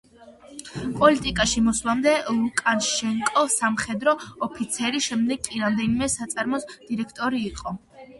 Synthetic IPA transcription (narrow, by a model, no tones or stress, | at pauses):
pʼɔlit̪ʼikʼaʃimɔslˠamd̪ɛlˠukʼanʃɛŋkʼɔsamχɛd̪ɾɔːpʰit̪sʰɛɾiʃɛmd̪ɛɡʼiɾamd̪ɛnimɛsat̪sʼaɾmɔsd̪̥iɾɛkʰt̪ʼɔɾiːqʼɔ